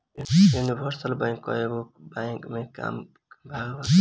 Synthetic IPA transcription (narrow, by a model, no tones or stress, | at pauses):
junibʱʌɾsəlbaj̃ŋkːɔ̰eɡo | baŋkmẽka̰ːm | bʱaɡba